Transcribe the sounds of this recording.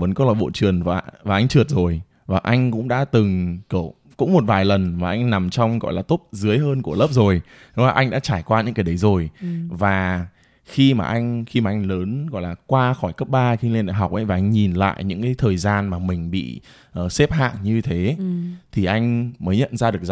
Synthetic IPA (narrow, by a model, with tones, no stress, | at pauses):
və˨˦nkɔ˨˦lɔ̰˧˨jɓo̰˧˨t͡ɕɨ˨˩ənvaː˨˩vaː˨˩ʔa˧jŋ̟t͡ɕɨ˨˩ət̚zo˨˩j | vaː˨˩ʔa˧jŋ̟kʊ̰˧˥ŋ͡mɗa̰ː˧˥t̪ɨ˨˩ŋkə˧˩ | kʊ̰˧˥ŋ͡mmo˨˩t̚vaː˨˩jlə˨˩nmaː˨˩ʔa˧jŋ̟na˨˩mt͡ɕɔ˧wŋ͡mɣɔ̰˧˨jlaː˨˩t̪o˦˥p̚zɨ˨˦əjɦəː˧nku˧˩ələː˦˥p̚zo˨˩j | ɗɔ˨˦ŋ͡mlaː˨˩ʔa˧jŋ̟ɗa̰ː˧˥t͡ɕaː˧˩jkwaː˧ɲɨ̰˧˥kaː˨˦jɗə˨˦jzo˨˩jvaː˨˩ | xi˧maː˨˩ʔa˧jŋ̟xi˧maː˨ʔa˧jŋ̟ləː˨˦nɣɔ̰˧˨jlaː˨˩kwaː˧xɔ˧˩jkə˦˥p̚ɓaː˧xi˧ŋle˧nɗa̰˧˨˩ɦa˨˩wk͡p̚ʔə˨˦jva˨˩ʔa˧jŋ̟ɲi˨˩nla̰ː˧˨jɲɨ̰˧˥ŋkaː˨˦jt̪ʰəː˨˩jzaː˧nmaː˨˩mï˨˩ŋ̟ɓḭ˧˨ | ʔəː˨˩sɛ˦˥p̚ha̰ː˧˨ŋɲɨ˧t̪ʰe˨˦t̪ʰi˨˩ʔa˧jŋ̟məː˨˦jɲə̰˧˨nzaː˧ɗɨ˨˩ək̚